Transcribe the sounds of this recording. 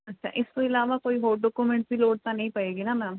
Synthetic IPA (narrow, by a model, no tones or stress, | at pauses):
ətːʃʰa̰ːʔɪst̪õːɪlaːʋaːkoːiːɦoːɾɖɔːkumɛ̃ɳʈbiːloːɽ̚t̪ãːnəĩːpəeːɡiːnaːmɛ̃ː